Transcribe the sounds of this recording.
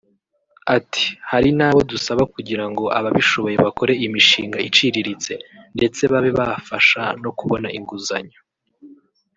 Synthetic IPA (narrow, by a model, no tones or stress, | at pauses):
atʰi̥haɾinaːβo̞dusaβakuɟiɾaŋɡo̞ʔa̰βaβiʃo̞βo̞je̞βako̞ɾe̞imiʃiːŋɡait͡ʃiɾiɾit͡se̞nde̞t͡se̞βaβeβafaʃa̰no̞kuβo̞naiŋɡuza̰ɲo